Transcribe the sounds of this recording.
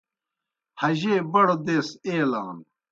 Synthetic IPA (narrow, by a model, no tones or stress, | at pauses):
hɐʑeːbɐɽod̪eːseːlaːn